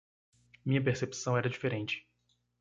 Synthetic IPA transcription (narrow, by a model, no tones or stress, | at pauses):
mĩɲɐp̬eɾsepi̥sɐ̃w̃ɛɾɐd͡ʒifeɾẽnt͡ʃɪ̥